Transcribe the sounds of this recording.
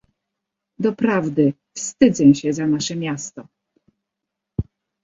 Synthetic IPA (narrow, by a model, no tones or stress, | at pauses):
d̪ɔpɾavd̪ɘ | fst̪ɘd̪zɛɕɛzanaʂɛmʲjast̪ɔ